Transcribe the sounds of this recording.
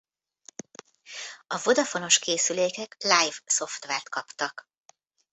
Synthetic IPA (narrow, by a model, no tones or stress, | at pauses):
ɒvo̞d̪ɒfo̞no̞ʃkeːsyleːkɛklajvso̞ft̪ʋaːrt̪kɒpt̪ɒk